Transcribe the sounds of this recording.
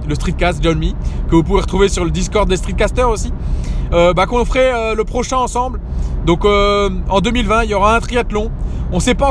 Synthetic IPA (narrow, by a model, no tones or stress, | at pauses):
ləst̪χit̪̚kast̪ʒɔnmikəvupuveʁə̥t̪χuvesyʁləd̪iskɔʁd̪̚ːest̪χit̪̚kast̪œʁosiøbakɔ̃fχɛøləpχɔʃɛ̃ɑ̃sɑ̃bld̪ɔ̃køɑ̃d̪ømilvɛ̃iljɔʁaɛ̃t̪χiat̪lɔ̃ɔ̃sɛpã